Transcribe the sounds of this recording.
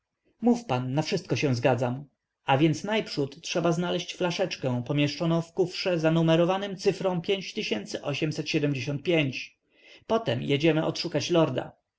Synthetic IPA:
mufpanːafʂɘst̪̚kɔɕɛ̃w̃zɡad̪zam | ʔavʲjɛnt̪snajpʂut̪tːʂɛbaznalɛɕt͡ɕflaʂɛt͡ʂkɛ̃w̃pɔmʲjɛʂt͡ʂɔnɔ̃w̃fkufʂɛzanumɛɾɔvanɘmt̪sɘfɾɔ̃w̃pʲjeɲt͡ɕt̪ɘɕɛnt̪sɘʔɔɕɛmsɛt̪ɕɛd̪ɛmd͡ʑeɕɔ̃nt̪̚pʲjeɲt͡ɕ | pɔt̪ɛmjed͡ʑɛmɘʔɔ̰t̪ʂukat͡ɕlɔɾd̪a̰

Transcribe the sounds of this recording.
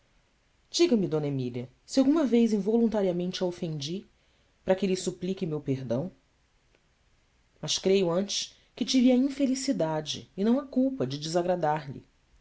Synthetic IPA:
d͡ʒiɡɐmɪd̪õnɐemiliɐ | sɪawɡũmɐvejzĩvolũnt̪aɾiɐmẽnt͡ʃɪɐofẽnd͡ʒi | pɾɐkɪlɪsuplikɪmewpeɾd̪ɐ̃w̃ | mɐʃkɾejʊɐ̃nt͡ʃɪ̥ʃ | kɪt͡ʃiviɐĩfelisid̪ad͡ʒɪ̰ːnɐ̃w̃ɐkuwpɐd͡ʒɪd͡ʒɪzaɡɾad̪aɾʎɪ̰

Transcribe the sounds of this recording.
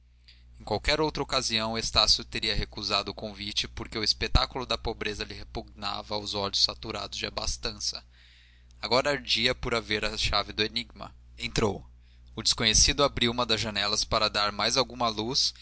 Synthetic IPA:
ẽkwawkɛɾowt̪ɾɐokaziɐ̃w̃est̪asjʊt̪eɾiɐɦekuzad̪ʊːkõvit͡ʃɪpoɾkeʊispet̪akulʊd̪ɐpobɾezɐlɪhepuɡ̚na̰vɐːwzɔʎʊsfat̪uɾa̰d̪ʊzd͡ʒɪa̰ba̰st̪ɐ̃sɐ | aɡɔɾɐːɾd͡ʒiɐpʊɾaveɾɐʃavɪd̪ʊeniɡ̚mɐ̰ | ẽnt̪ɾo̰w | ʊd͡ʒɪskõɲesid̪ʊabɾiũmɐd̪ɐzʒɐnɛlɐspaɾɐd̪aɾmajzawɡũmɐlus

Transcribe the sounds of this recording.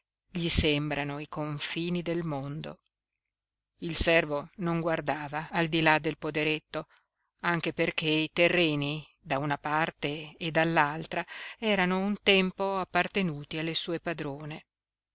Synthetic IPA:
ʎisembɾanoikoɱfiːnid̪elmond̪o̰ | ilsɛrvonoŋɡward̪aːvaːld̪ilad̪ːelpod̪eɾet̪ːo | aŋk̟eperk̟eit̪erːeːni | d̪aunapart̪eːd̪alːalt̪ɾaɛːɾanount̪ɛmpoapːart̪enuːt̪ialːesuːepad̪ɾoːne

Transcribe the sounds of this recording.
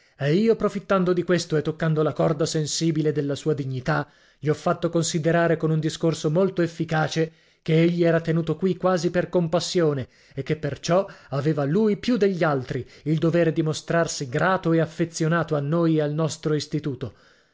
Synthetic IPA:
ɛiːopɾofit̪ːand̪od̪ikwest̪oet̪ːokːand̪olakɔrd̪asensiːbiled̪elːasuːad̪iɲːit̪a | ʎiɔfːat̪ːokonsid̪eɾaːɾekonund̪iskorsomolt̪oefːikaːt͡ʃe | keeʎːiɛːɾat̪enuːt̪okwikːwaːziperkompasːjoːne | ekːepːert͡ʃɔaveːvaluːjpjud̪ːeʎːialt̪ɾiild̪oveːɾed̪imost̪ɾarsiɡɾaːt̪oeafːet̪sːjonaːt̪oanːojealnɔst̪ɾoist̪it̪uːt̪o

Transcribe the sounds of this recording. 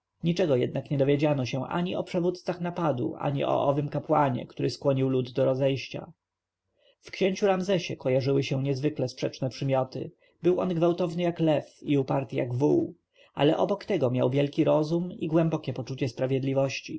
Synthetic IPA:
ɲit͡ʂɛɡɔjɛ̰d̪nakɲɛd̪ɔvʲjed͡ʑanɔɕɛ̃ʔa̰ɲiɔpʂɛvut̪t̪saxnapad̪ṵʔa̰ɲḭʔɔ̰ʔɔvɘmkapwaɲɛ̰kt̪uɾɘskwɔɲiwlud̪ːɔɾɔzɛjɕt͡ɕa̰ | fkɕeɲt͡ɕuɾamzɛɕɛkɔjaʐɘwɘɕɛ̃ɲɛzvɘklɛspʂɛt͡ʂnɛpʂɘmʲjɔt̪ɘ̰ | bɘwɔnɡvawt̪ɔvnɘjaklɛfiupaɾt̪ɘja̰ɡvuw | ʔa̰lɛʔɔbɔkt̪ɛɡɔmʲja̰wvʲjɛlkʲiɾɔzumiɡwɛmbɔkʲɛpɔt͡ʂut͡ɕɛspɾavʲjɛd̪lʲivɔɕt͡ɕi

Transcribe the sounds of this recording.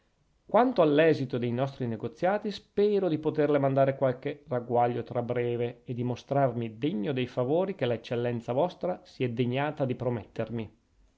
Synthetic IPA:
kwant̪oalːɛːzit̪od̪ejnɔst̪ɾineɡot̪sːjaːt̪ispɛːɾod̪ipot̪erlemand̪aːɾekwalkeraɡwaʎːot̪ɾabɾɛːveed̪imost̪ɾarmid̪eɲːod̪ejfavoːɾik̟elet͡ʃːelːɛnt̪savɔst̪ɾasiɛd̪eɲːaːt̪ad̪ipɾomet̪ːermi

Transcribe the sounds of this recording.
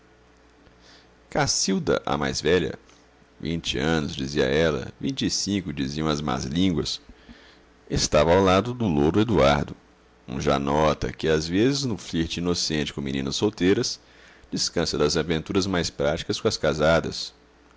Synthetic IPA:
kasiwd̪ɐ̰ʔɐ̰ma̰jzvɛʎɐ̰ | vḭ̃nt͡ʃɪɐ̃nʊzd͡ʒiziɐ̰ɛlɐ̰vĩt͡ʃisĩkʊd͡ʒiziɐ̃w̃ɐzma̰zlĩŋɡwɐ̰s | est̪avɐawlad̪ʊd̪ʊloɾʊed̪uaɾd̪ʊ | ṵ̃ʒanɔt̪ɐ̰kɪazvezɪznʊfliɾt͡ʃɪinosẽnt͡ʃɪ̥kõminĩnɐsowt̪ejɾɐs | d͡ʒiskɐ̃sɐd̪ɐzavẽnt̪uɾɐzmajspɾat͡ʃi̥kɐskõɐskazad̪ɐ̰s

